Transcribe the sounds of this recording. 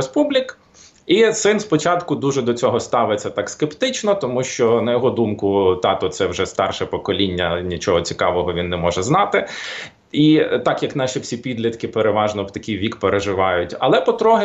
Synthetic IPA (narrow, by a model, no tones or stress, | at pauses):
espublʲik | isɪnspɔt͡ʃɑt̪kʊd̪uʒɛd̪ɔt͡sʲɔɦɔst̪ɑʋɪt͡sʲːɐt̪ɑkskept̪ɪt͡ʃnɔt̪ɔmuʃt͡ʃɔnɐjɔɦɔd̪umkʊt̪ɑt̪ɔt̪sɛwʒɛst̪ɑrʃɛpɔkɔlʲinʲːɐnʲit͡ʃɔɦɔt͡sʲi̥kɑʋɔɦɔʋʲinːɛmɔʒɛznɑt̪ɪ | it̪ɑkjɐknɑʃʲiwsʲipʲid̪lʲɐt̪kɪpeɾeʋɑʒnɔt̪ɐkʲijʋʲikpeɾeʒɪʋɑjʊtʲɐ̰lˠɛpɔt̪ɾɔɦɪ